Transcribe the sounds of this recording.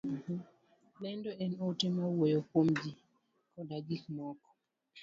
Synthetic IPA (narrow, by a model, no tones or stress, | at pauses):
lɛndɔɛnotemawojokwomd͡ʒi | kɔdaɡikmɔkɔ̥